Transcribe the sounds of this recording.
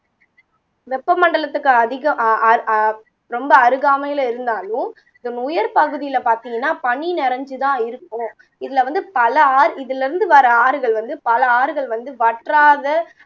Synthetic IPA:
ʋɛpːɐmɐɳɖɐɭɐt̪ːɯkːɯɐðɪɣɐɐɾ | ɾɔmbɐːɾɯɣaːmɐjɪlɐɪɾɯnd̪aːlʊ̃ | ɪðɐnʊjɐɾpɐɣɯðɪjɪlɐpaːɾt̪ɪŋɡɐnːaːpɐɳːinɪɾɐɲd͡ʒɯt̪ãːɪɾɯkːʊ̃ | ɪðɪlɐʋɐnd̪ɯpɐlɐaːɾɪðɪlɪɾɯnd̪ɯʋɐɾɐaːɾɯɣɐɭʋɐnd̪ɯpɐlɐaːɾɯɣɐɭʋɐnd̪ɯʋɐʈraːðɐ

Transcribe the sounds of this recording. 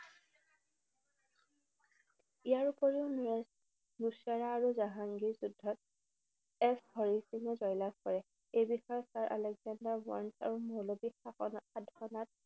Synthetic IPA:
ijaɹupɔɹeʊn | nusaɹaːɹuzaɦaŋɡiɹzudʱːɔt̚ | ɛshɔɹisiŋɔzɔjlak̚kɔɹɛ | ejbixɔjɔsaɹʔa̰lɛɡzandaɹwa̰ɹnsa̰ɹumɔlobixaadʱɔnat̚

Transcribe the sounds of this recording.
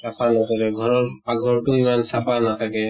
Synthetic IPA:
sapʰanat̪ʰakɛɡʱɔɾɔɹaɡʱɔɹʈuimansapʰanat̪ʰakɛ

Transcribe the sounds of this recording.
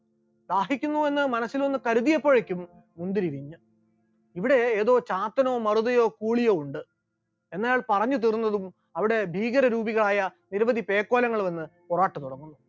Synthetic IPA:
d̪aːɦikʲːunːue̞nːɨmɐnɐsːilonːɨkɐɾuðijɐpːo̞ːɻekʲːumː | und̪iɾiɾiɲːɨ | iʋiɽe̞ːðo̞ːt͡ɕaːt̪ːɐno̞ːmɐruðɐjo̞ːkuːɭijo̞ːuɳɖɨ | e̞nːɐjaːɭpɐrɐɲːɨt̪̬irunːɐðum | ɐʋiɽe̞bʱiːɣɐɾɐɾuːbiɣɐɭaːjɐniɾɐʋɐd̪ʱipe̞ːkːo̞ːlɐŋːɐɭʋɐnːɨporaːʈːɨt̪uɽɐŋːunːu

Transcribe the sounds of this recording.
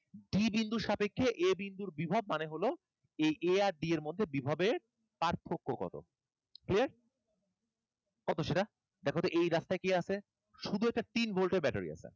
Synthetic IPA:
ɖibind̪uʃapekʰːeʔebind̪uɾbibʱabmaneɦolo | ejʔeaɾɖieɾmod̪ʱːebibʱabeɾ | paɾt̪ʰːokːokɔ̰t̪o̰ | kliaɾ | kɔt̪oʃeʈa | d̪ɛkʰot̪oʔejɾast̪aekejat͡ɕʰe | ʃud̪ʱuɛk̚ʈat̪inbʱolʈebɛʈaɾḭa̰t͡ɕʰḛ

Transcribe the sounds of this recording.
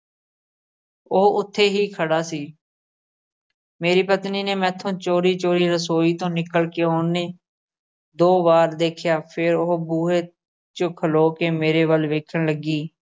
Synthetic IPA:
oːʊt̪ʰːeːɦiːkʰəɽaːsiː | meːɾiːpət̪niːneːmɛ̃ːt̪ʰːõːt͡ʃoːɾiːt͡ʃoːɾiːɾəsoːiːt̪õːnɪkəlkeːoːnneː | d̪oːʋaːɾd̪eːkʰjaːpʰɪɾoɦbuːɦeː | t͡ʃəkʰəloːkeːmeːɾeːʋəlʋeːkʰəɽləɡiː

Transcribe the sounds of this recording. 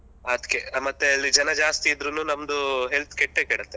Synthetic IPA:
ɐd̪kemɐt̪ːeɐlːid͡ʒɐnɐd͡ʒaːst̪iːd̪ɾunuːnɐmd̪uɦelt̪ʰkeʈːekɛɽɐt̪ːe

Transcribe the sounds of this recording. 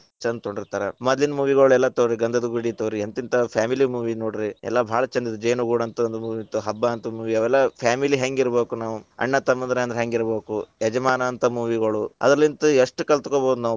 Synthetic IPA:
t͡ʃɐnd̪̚t̪oɳɖiɾt̪aːɾemɐd̪linɐmuːʋiɡɐɭuɛlːɐt̪oːɾiɡɐnd̪ɐd̪uɡuɽit̪oːɾient̪int̪ɐpʰjaːmilimuːʋinoːɽiɾiɛ̰lːɐbʱaːɭɐt͡ʃɐnd̪it̪ud͡ʒejnuɡuːɽɐnt̪uond̪umuːʋit̪ːuɦɐbːaɐnt̪umuːʋiɐʋɛlːɐpʰaːmiliɦɐŋɡiɾbeːkunaːʋuɐ̰ɳːɐt̪ɐmɐnd̪ɾeɐnd̪ɐɾɦeŋɡiɾbeːkuɛd͡ʒɐmaːnɐːnt̪ʰɐmuːʋiɡɐɭuɐ̰d̪ɾɐlːint̪ueʂʈukɐɭlt̪ukoːboːd̪unaː

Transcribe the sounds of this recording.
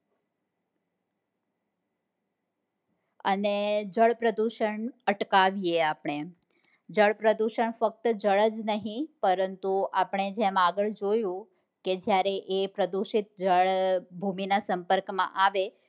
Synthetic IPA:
ə̰ned͡ʒəɭpɾəd̪uʃəɳəʈkaʋieapɳ̃e | d͡ʒəɭpɾəd̪uʃəɳfək̚t̪əd͡ʒəɭəd͡ʒnəɦĩpəɾənt̪uʔapɳ̃ed͡ʒemaɡəɭd͡ʒojũ | ked͡ʒjaɾeʔepɾəd̪uʃit̪̚d͡ʒəɭbʱuminasəmpəɾkmã̰ʔaʋe

